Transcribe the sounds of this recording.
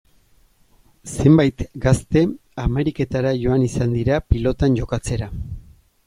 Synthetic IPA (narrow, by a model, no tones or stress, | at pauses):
se̞mbajt̪ɡast̪e̞ame̞ɾike̞t̪aɾaʝo̞anisand̪iɾapilo̞t̪anɟo̞kat͡se̞ɾa